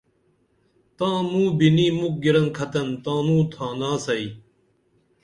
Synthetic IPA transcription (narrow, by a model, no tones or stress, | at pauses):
t̪ãːmũːbiniːmuk̚ɡiɾɐnkʰɐt̪ɐnt̪ãːnũːt̪ʰãːnãːsɐi